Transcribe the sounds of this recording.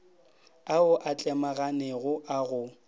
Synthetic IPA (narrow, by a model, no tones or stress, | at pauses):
aʊʔat͡ɬʼɛmaɣanɛɣʊʔaɣʊ